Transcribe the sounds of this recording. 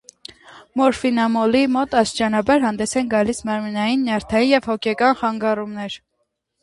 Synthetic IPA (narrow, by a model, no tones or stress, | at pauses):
mɔɾfinɑmɔlimɔt̪ɑst͡ʃɑnɑbɑɾɦɑnd̪ɛsɛnɡɑlismɑɾminɑjinːjɑɾt̪ʰɑjinjɛvhɔkʰɛkɑnχɑŋɡɑrumnɛɾ